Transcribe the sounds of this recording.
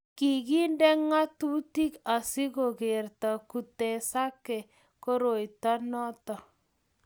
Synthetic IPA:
ki˨ɡi˦ndɛ˦ŋa˦tu˦ti˦ka˨sɪ˦ɣo˨ɣe˨rta˨ku˨tɛ˨sa˦kɛ˨ | ko˦ɾo˨i˨ta˦nɔ˦tɔ˨

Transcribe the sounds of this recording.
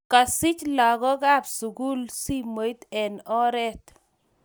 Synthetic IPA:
ka˨sɪ˦t͡ʃlɔ˨ɡɔ˦ɡa˦psu˨ɡu˦lsi˦mo˨jt̪ɛ˨nɔ˦ɾɛ˦t̪

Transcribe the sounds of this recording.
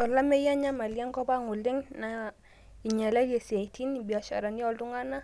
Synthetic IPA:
ɔ˨la˦mɛ˦ja˦ɲa˦ma˨lja˦ŋkɔ˦ba˦ŋʊ˨lɪ˦ŋna˨ | i˨ɲa˨la˦le˨se˨tʰi˦nbi˨a˨ʃa̰˨ɾa˨njɔ˦˨ltu˦ŋa˦na˦

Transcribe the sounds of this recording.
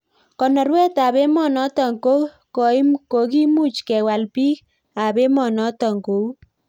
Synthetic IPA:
kɔ˨nɔ˨rwɛ˦ta˨be˦mɔ˦˨nɔ˦tɔ˨ŋko˦ | kɔ˨i˦mko˨ki˦mu˦t͡ʃkɛ˨wa˨lpi˦k | a˨be˦mɔ˨nɔ˦tɔ˨ŋko˨u˦

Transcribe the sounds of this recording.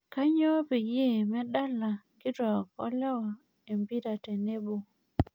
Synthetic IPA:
ka˦ɲɔ˦pe˨je˦˨mɛ˦ɗa˦la˨ | ɡɪ˦tɔ˨kɔ̰˦lɛ˦wɔ˨ | e˨mbi˦ɾa˨te˨ne˦bo˨

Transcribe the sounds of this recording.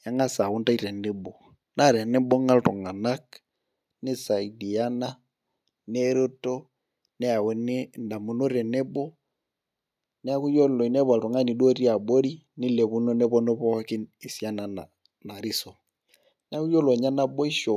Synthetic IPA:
ja˦ŋa˦sa˨wu˦nta˦i˦ɾɛ˨nɛ˦bɔ˨ | na˦˨ɾɛ˨nɛ˦bɔ˦ŋa˦ltɔ˨ŋa˨na˦k | nɪ˦sa˨i˨di˨a˦na˦ | ne˦ɾo˦to˦ | nɛ˦a˨wɛ˨˦ne˦nda˨mu˨˦no˦ɾɛ˨nɛ˦bɔ˦ | nɛ˦a˦ku˦jɔ˦lɔ˨i˨nɛ˦βa˨ltɔ˨ŋa˦ni˨do˦ɾi˦a˨bo˦ɾi˦ | nɪ˦lɛ˨βu˦no˦nɛ˦βɔ˦no˦βɔ˦ki˦ni˨si˦a˦na˨na˨ | na˨ɾi˦sɔ˨ | n˦a˦ku˦jɔ˦lɔ˨ɲa˦na˦bɔ˦i˦ʃɔ˨

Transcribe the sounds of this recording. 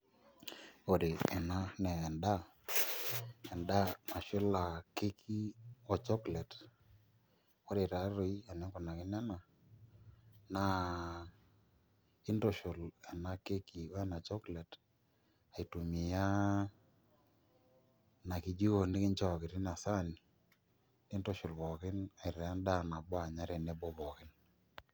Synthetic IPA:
o˦dɪ˨ɛ˨na˦nɛː˨nda˦ | ɛ˨nda˦ma˨ʃɪ˦la˨ke˦kʰi˦ɔ˨t͡ʃɔ˦klɛ˨t | o˦de˨ɾa˨˦ɾo˨i˦a˨nɛ˨˦kɔ˨na˨kɪ˦na˦na˨ | na˨ | i˦ndo˨ʃʊ˨la˨na˨ke˦ki˨˦ɛ˦na˨t͡ʃɔ˦klɛ˨t | a˨i˨tu˨mi˨ja˦ | na˨ki˨d͡ʒi˦ko˨nɪ˦kɪ˦nt͡ʃɔ˨kɪ˨tɪ˦na˨sa˦ni˨ | ɪ˦nto˦ʃʊ˨lβɔ˨kɪ˦na˨ɪ˨ɾɛ˨a˦nda˦na˨bɔ˦a˨ɲa˦ɾɛ˨nɛ˦bɔ˦βɔ˨kɪ˦n

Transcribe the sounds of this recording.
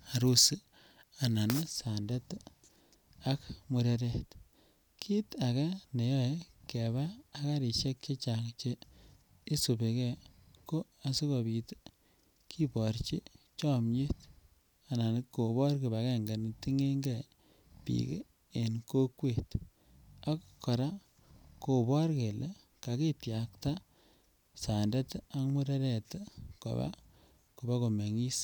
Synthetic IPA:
a˨ɾu˦sɨ˦ | a˨na˨n˦sa˨nda˦t | a˦kmu˨ɾe˨ɾe˨t | kʰi˦ta˨ka˦ne˨jɔ˦ke˨βaː˦ka˦ɾi˨ʃe˦k̚t͡ʃe˦t͡ʃa˨ŋt͡ʃe˦ | i˦su˨be˨ke˦˨ko˦a˨si˦kɔ˨bi˨t | kʰi˦pɔ˨ɾt͡ʃi˦ | t͡ʃɔ˦mɲe˦t | a˨na˨n˦ko˨bɔ˦ɾki˨ba˨ke˨ŋɡe˨nti˦ŋe˦ŋɡe˨ | pḭ˨kḛ | e˨nko˦kwe˨t | a˦kkːɔ˨ɾa˦ | ko˨bɔ˦ɾke˨le˨ | ka˨ke˦tja˨kta˦ | sa˨nde˦ta˦mu˦ɾe˦ɾɛ˦˨tko̰˨ba̰˦ | ku˨ba˦ko˨me˨ŋi˦s

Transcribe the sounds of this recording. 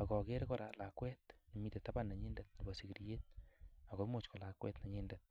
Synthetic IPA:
a˨kɔ˨ke˦ɾkɔ˦ɾa˨la˨kwɛ˦tne˨mi˦te˨ta˦ba˦nːa˨ɲi˦ndɛ˦t̚ni˨ba˨si˨ɡi˨ɾije˦t̚a˨ɣɔ˨˦mo˦˨t͡ʃkɔ˨la˨kwɛ̰˦tna˨ɲɪ˦ndɛt̚

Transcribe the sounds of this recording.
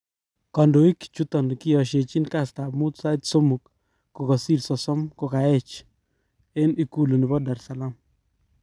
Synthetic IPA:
kɔ˨ndo˨i˦kt͡ʃu˦t̪ɔ˨nkɪ˦jɔ˨ʃe˨t͡ʃi˦nka˦˨st̪a˨mu˦t̪sa˦t̪so˦mu˨kː | o˨kɔ˨si˦˨ɾsɔ˨sɔ˦mko˨ka˨ɛ˦t͡ʃ | e˦ni˨ku˦lo˨ni˨bɔ˦da˨ɾsa˨la˦m

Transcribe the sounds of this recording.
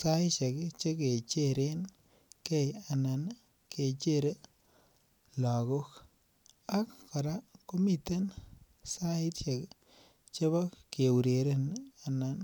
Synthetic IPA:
sa˦t͡ʃe˨kt͡ʃe˦ke˨t͡ʃe˦ɾe˦n | ke˦ja˨na˨n | ke˨t͡ʃe˦˨ɾe˦ | la˨ko˦k | a˦kkɔ˨ɾa˦ko˦mi˦te˦n | sa˦ɪ˦tt͡ʃe˨k | t͡ʃe˦bɔ˦ke˨wu˨ɾe˨ɾe˦na˨na˨n

